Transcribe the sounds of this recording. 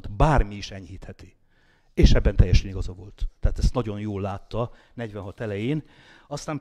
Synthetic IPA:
t̪baːrmiːʃɛɲhiːt̪hɛt̪i̥ | eːʃɛbːɛnt̪ɛjːɛʃɛniɡɒzɒvo̞lt̪ːɛɦaːt̪ɛst̪nɒɟo̞njoːlːaːt̪ːɒ | nɛɟʋɛnɦɒt̪ɛlɛjeːn | ɒst̪aːm

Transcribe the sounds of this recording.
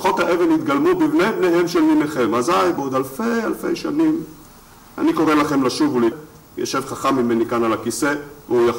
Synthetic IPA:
χo̞t̪haʔe̞venit̪ɡalmubivnejbnehe̞mʃelmineχe̞mazajbeod̪alfejalfe̞jʃanim | a̰niko̞ʁelaχe̞mlaʃuvule | jaʃe̞vχaχamːime̞nikanalakise̞veuja

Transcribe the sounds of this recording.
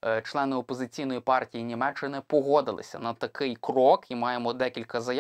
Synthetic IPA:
t͡ʃlˠɛnɪɔpɔzɪt͡sʲijnɔjipɑrtʲijinʲimɛt͡ʃːɪnɪpɔɦɔd̪ɪlˠɪ̰sʲɐ̰nɐt̪ɐkɪjkrɔkʰimɑjemɔd̪ɛkʲilʲkɐzɐj

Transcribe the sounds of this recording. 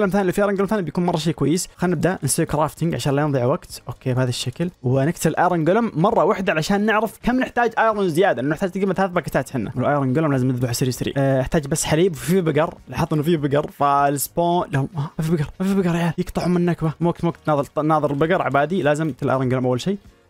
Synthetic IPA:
lamθaːnifiʔaɾˤnŋɡʊlmθanibjakuːnmɑrˤːɑʃ̬eːkwajːɪsxanːɪb̚d̪ansiwkɾaːft̪ɪŋɡʕaʃaːnlajɪnðˤiʕwaɡt̪ʔoːkʰːeːbhaːðaʃːaklwnɪkt̪ʰɪblʔajɾˤɪnɡʊlʊmːɑrˤːɑwaħd̪aalaʃaːnːɪʕɾɪfkamːnɪħt̪aːd͡ʒʔajɾˤonzɪjaːd̪aʔʔnːunɪħt̪aːd͡ʒt̪ɡiːmaθalaθbakat̪aːt̪ħɪnːa̰wlʔajɾˤɑnɡʊlmlaːzɪmnɪðbuħsɪɾsɾḭɪħt̪aːd͡ʒbasːħaliːbfibɪɡɑɾˤlaħɑt̪ˤːnufibɪɡɑɾˤfalɪspoːʔlahʊmʔamafibɪɡɑɾˤmafibɪɡɑɾˤjaːljɪkt̪ˤɑħʊmɪnːakbamawaɡ̚t̪mwakt̪ːðnɑːðˤɨɾlbɪɡɑɾˤʕa̰baːd̪ilaːzɪmkt̪lʔa̰jɾˤɑnɡlomʔawːalʃiː

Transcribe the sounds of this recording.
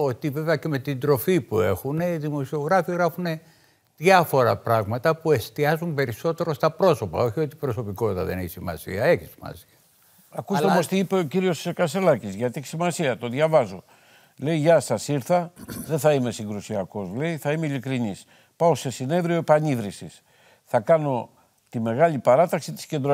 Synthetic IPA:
ot̪ive̞veɐceme̞t̪ind̪ɾo̞fipue̞xuneiðimo̞sio̞ɣɾɐfiɣɾɐfune̞ | ðʝɐfo̞ɾɐpɾɐɣmɐt̪ɐpue̞st̪iɐzumpe̞ɾiso̞t̪e̞ɾo̞st̪ɐpɾo̞so̞pɐ̰o̞çio̞t̪i̥pɾo̞so̞pikot̪t̪ɐ̰ðe̞̰neçisimɐ̰sḭɐe̞çisi̥mɐ̰siɐ | ɐkusomost̪iipe̞o̞ciɾio̞skɐselɐcizʝɐt̪ieçi̥simɐsiɐt̪o̞ðʝɐvɐzo̞ | le̞jʝɐsɐsiɾθɐðeθɐime̞siŋɡɾusiɐko̞zle̞iθɐimeilikɾinis | pɐo̞se̞sine̞ðɾio̞epɐɲiðɾisis | θɐkɐno̞ | t̪ime̞ɣɐʎipɐɾɐt̪ɐksit̪i̥sce̞nd̪ɾo

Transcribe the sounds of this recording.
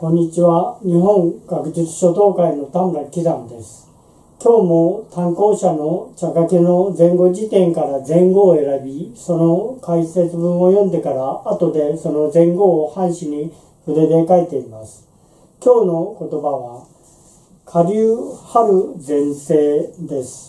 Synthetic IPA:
kõ̞ɲ̟ːit͡ɕiβaɲ̟iɦõ̞ŋɡakɯ̟d͡ʑit͡sɨ̥ɕo̞d̪o̞ːkaino̞t̪ãŋɡakʲizãnd̪e̞sɨ̥ | kʲo̞ːmo̞t̪ãŋko̞ːɕano̞t͡ɕakakeno̞d͡zẽ̞ŋɡo̞d͡ʑit̪ẽ̞ŋkaɾazẽ̞ŋɡo̞ːe̞ɾabʲiso̞no̞kaise̞t͡sɨbɯ̃ɰ̃o̞jõ̞nd̪e̞kaɾaːt̪o̞d̪e̞so̞no̞d͡zẽ̞ŋɡo̞ːhãɰ̃ɕiɲ̟i | ɸɯ̟ɾe̞d̪ekaet̪e̞imasɨ̥ | kʲo̞ːno̞ko̞t̪o̞baβa | kʰaɾʲɨːhaɾɯ̟d͡zẽ̞ɰ̃se̞ːd̪e̞sɨ̥

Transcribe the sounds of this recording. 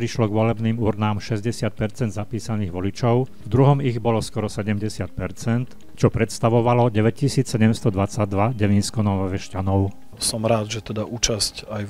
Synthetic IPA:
pɾiʃlɔɡʋɔlɛbniːmuɾnaːmʃɛzɟɛsɪat̪̚pɛɾt͡sɛnd̪zapiːsaniːɣʋɔlit͡ʃɔʊ | vd̪ɾuɦɔmiɣbɔlɔskɔɾɔsɛɟɛmɟɛsɪat̪̚pɛɾt͡sɛnt̪ | t͡ʃɔpɾɛt̪st̪aʋɔʋalɔɟɛʋɛccisiːt͡ssɛɟɛmst̪ɔd̪ʋat͡saɟ̚d̪ʋaɟɛʋiːnskɔnɔʋʋɛʃcanɔʊ | sɔmɾaːd̪ʒɛt̪ɛd̪auːt͡ʃascaj

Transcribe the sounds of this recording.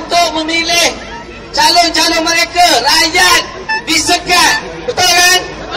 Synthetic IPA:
nt̪ʊʔ̚mə̃milɪh | t͡ʃalʊnt͡ʃalonməɾekarajat̪̚ | disəkabət̪akan

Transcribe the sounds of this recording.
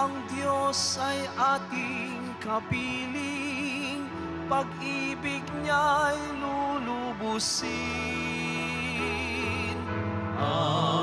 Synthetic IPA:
ɐŋd̪josɐjʔat̪ɪŋkɐpiliŋ | pɐɡibɪkɲajlulubusɪ | n

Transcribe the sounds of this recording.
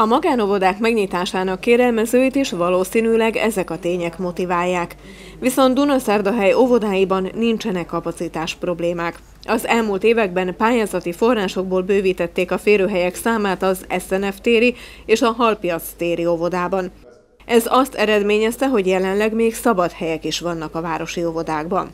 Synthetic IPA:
ɒmɒɡaːno̞vo̞d̪aːkmɛɡɲit̪aːʃaːnɒkːeːɾɛlmɛzøːit̪iʃʋɒloːsiːnylɛɡɛ̰zɛkɒt̪eːɲɛkmo̞t̪ivaːjːaːk | ʋiso̞nd̪d̪unɒsɛrd̪ɒɦɛjo̞vo̞d̪aːjibɒnːint͡ʃɛnɛkːɒpɒt̪sit̪aːʃpro̞bleːmaːk | ʔɒzɛlmuːlt̪eːvɛɡ̚bɛnpaːjaːzɒt̪ifo̞rːaːʃo̞ɡ̚boːlbøːviːt̪ɛt̪ːeːkɒfeːɾøːɦɛjɛksaːmaːt̪ɒzɛsɛnɛft̪eːɾi | eːʃɒɦɒlpijɒt̪st̪eːɾio̞vo̞d̪aːbɒn | ʔɛzɒst̪ɛɾɛd̪meːɲɛst̪ɛɦo̞ɟjɛlɛnlɛɡmeːksɒbɒt̪hɛjɛkiʃʋɒnːɒkɒvaːɾo̞ʃio̞vo̞d̪aːɡbɒ̰n

